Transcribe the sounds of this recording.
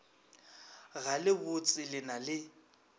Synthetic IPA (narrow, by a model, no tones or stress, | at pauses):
ɣalɪbʊt͡sʼɪlɪnalɪ